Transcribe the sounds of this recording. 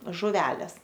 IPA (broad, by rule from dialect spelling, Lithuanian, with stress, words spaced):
ʒʊˈʋʲæːlʲeːs